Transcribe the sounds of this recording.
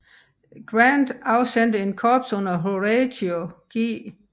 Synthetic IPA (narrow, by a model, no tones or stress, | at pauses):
ɡ̥ʁænd̥ɑ̈ʊsend̥əe̝nkʰɒb̥sɔ̽n̰ɐɦoʁedoɡ̥ḭː